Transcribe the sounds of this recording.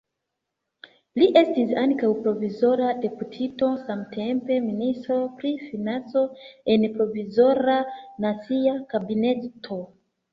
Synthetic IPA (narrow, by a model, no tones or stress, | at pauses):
liʔe̞stisaŋkawpɾo̞vizo̞ɾade̞putʰito̞samtʰempe̞ministɾo̞pɾifinant͡so̞enpɾo̞vizo̞ɾanat͡siakabine̞tʰo